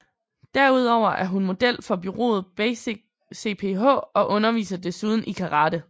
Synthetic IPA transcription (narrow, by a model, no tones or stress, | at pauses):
d̥æɐuð̞ˠɒʊ̰ɐʔæɐɦunmo̝d̥el̰fɒ̽b̥yʁo̝̰ːð̞̩ˠb̥ | se̝̰ːpʰe̝ɦɔ̰̽ːɒ̽ʔɔ̽nɐʋḭːsɐd̥e̝suːð̞ˠn̩ʔikʰɑ̈ʁɑ̈ːd̥ə